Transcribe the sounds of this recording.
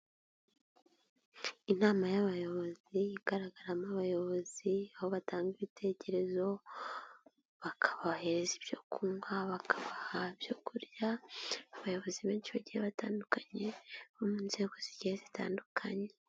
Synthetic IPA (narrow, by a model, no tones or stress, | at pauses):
inaːmajaβajo̞βo̞zijiɡ̥aɾaɡaɾamaβajo̞βo̞ziaho̞βataːŋɡiβitʰe̞ce̞ɾe̞zo̞ | βakʰḁβaheɾezibjo̞kuŋɡaβakʰḁβahabjo̞kuɾjaaβajo̞βo̞ziβe̞ːnt͡ʃiβaɟiɾeβataːndukaɲe̞βomunze̞ːko̞ziɟeezita̰ːndukʰaɲe̞